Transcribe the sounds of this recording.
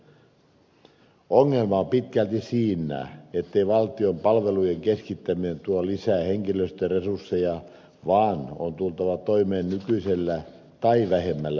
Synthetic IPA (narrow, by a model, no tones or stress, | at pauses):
oŋːelmɑompit̪kælt̪isiːnːˑæ̰ːet̪ːeiʋɑlt̪iompɑlʋelujeŋkeskit̪ːæminent̪uolisæːˑheŋkiløst̪eresursːejɑ | ʋɑːno̰nt̪ult̪ɑʋɑt̪oimeːnnykyiselːæ | t̪ɑiʋæhemːælːæ